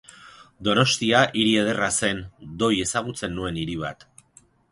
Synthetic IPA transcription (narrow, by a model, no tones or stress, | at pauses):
d̪o̞no̞st̪iaʔiɾie̞ð̞e̞rase̞nd̪o̞je̞saɣ̞ut͡se̞nːue̞niɾiβ̞a̰t̪